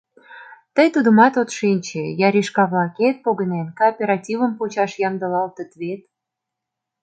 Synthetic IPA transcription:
t̪əjt̪ud̪ə̆mɑt̪ot̪ʃenʲt͡ɕejɑɾʲiʃkɑβlɑket̪̚poɣə̆nenkoːpʲeɾɑtʲivə̆mpot͡ɕɑʃjɑmd̪ə̆lɑlt̪ə̆t̪βet̪

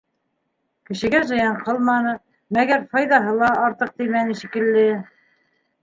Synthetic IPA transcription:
kɘ̆ʃɘ̆ɡæʒɤ̆jɑɴqɤlˠmɑnɤ | mæɣæɾfɑjðɑɦɤlˠɑːɾt̪ɤq̚t̪imænɘʃikɘ̆lːɘ

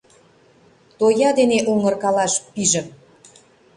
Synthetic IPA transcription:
t̪ojɑd̪eneʔuŋərkɑlɑʃpiʒə̆m

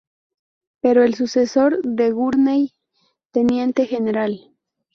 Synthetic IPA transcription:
peɾoelsuseso̞ɾðeɣuɾnej | t̪e̞nje̞nt̪e̞xeneɾal

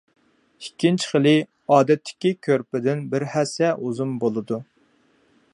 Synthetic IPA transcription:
ikʲʰːint͡ʃʰχəlˠɪ | ɑːd̪ɛt̪ʰːɪ̥kʲikʲʰøɾpɪd̪ɪnbɪɾhɛsɛʔuzumbolˠɨd̪u

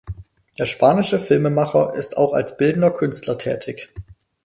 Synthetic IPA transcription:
d̥eːɐʃpaːnɪʃəfɪlməmaχɐʔɪsta̰ʊxa̰lsb̥ɪldn̩dɐkʰʏnstʰlɐtʰɛ̰ːtʰɪç

